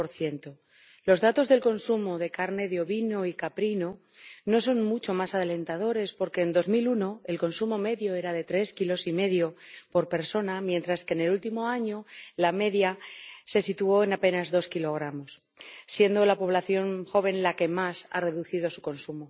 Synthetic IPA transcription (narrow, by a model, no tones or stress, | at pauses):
poɾθje̞nt̪o | lo̞zðat̪o̞zðe̞lko̞nsumo̞ðe̞kaɾne̞ðeo̞βino̞ikapɾino̞ | no̞s̬o̞nmut͡ʃo̞masaðele̞nt̪aðo̞ɾe̞spo̞ɾke̞ːnd̪o̞zmiluno̞e̞lko̞nsumo̞me̞ðjo̞e̞ɾaðe̞t̪ɾe̞skilo̞sime̞ðjo̞po̞ɾpe̞ɾso̞namjẽ̞nt̪ɾaske̞ne̞lult̪imo̞aɲo̞lame̞ðjase̞sit̪uo̞e̞nape̞nazðo̞skilo̞ɣ̞ɾamo̞s | sje̞nd̪o̞lapo̞β̞laθjo̞nxo̞β̞ẽ̞nlake̞masa̰re̞ðuθið̞o̞suko̞nsumo